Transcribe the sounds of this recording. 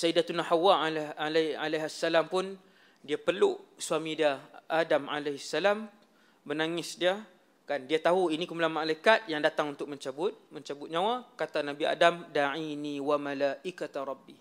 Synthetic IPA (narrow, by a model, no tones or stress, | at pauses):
saidat̪unahawalaalaɦasːalampʊn | diapərlusuamĩdiaʔadama̰leɦisːalam | bənaŋɪsdiə | kandiat̪aɦuinĩkumlamalaikat̪̚jaŋdat̪aŋunt̪ʊk̚mə̃ɲt͡ʃabʊt̪̚mə̃ɲt͡ʃabʊt̪̚ɲãwakat̪anabia̰damdaʕiniwamalaʔikat̪ɾˤɑbːi